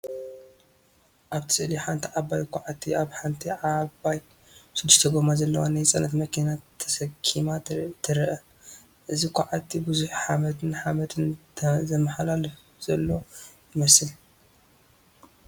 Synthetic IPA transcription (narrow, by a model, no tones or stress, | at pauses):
ʔaβt̪ʰɨ̥sɨʔliħant̪ʰiʕabajkʰaʕat̪ʰːiaβħant̪ʰiʕabaj | ʃɪd̪ːɨʃt̪ʰɐɡomazɐlːɐ̰wanajt͡sʼɐnɐt̪mɐkʰinat̪ʰːɐsɐkʰːimat̪ʰɨɾʔɐ | ʔɨzikʷʰaʕat̪ʰːibɨzuħħamɐt̪ʰɨnħamɐt̪ʰɨnʰzɐmːaħalalɨf | z̥ɐlːo̞jɪmɐsɨl